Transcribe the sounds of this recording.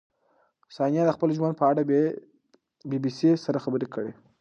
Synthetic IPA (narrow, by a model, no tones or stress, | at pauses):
sɑnijɑd̪əxpəlʒwand̪pəaɽa | bibisisaɾaxabəɾekəɽe